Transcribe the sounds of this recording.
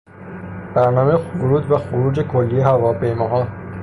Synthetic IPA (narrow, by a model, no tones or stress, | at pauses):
b̥æɾnɒːmejexvoɾuːd̪bæxoɾuːd͡ʒekʰolːijehævɒːpʰe̞jmɒːɦɒː